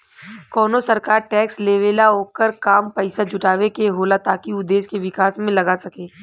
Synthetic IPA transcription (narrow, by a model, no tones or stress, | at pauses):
kɔːnosɐɾkaːɾʈɛːksleːʋeːlaoːkəɾkaːmpɛɪsad͡ʒʊʈaːʋekeɦoːlat̪aːkiʊd̪eːskeʋɪkaːsmẽlɐɡasɐkeː